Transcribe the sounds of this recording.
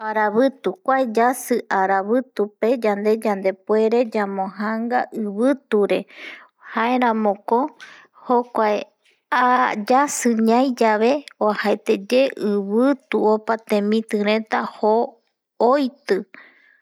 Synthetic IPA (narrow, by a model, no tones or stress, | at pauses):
aɾaβɨt̪ukʷaed͡ʒasɨʔaɾaβɨt̪upe̞d͡ʒand̪e̞d͡ʒand̪e̞pwe̞ɾe̞d͡ʒamõɦaŋɡaʔɨβɨt̪uɾe̞ | haeɾ̃ãmõ̞ko̞ | hokʷae | ad͡ʒasɨɲãjd͡ʒaβe̞ohaet̪e̞d͡ʒe̞ʔɨβɨt̪uopat̪ẽ̞mĩt̪ɨɾ̃ẽ̞t̪ahoː | jt̪ɨ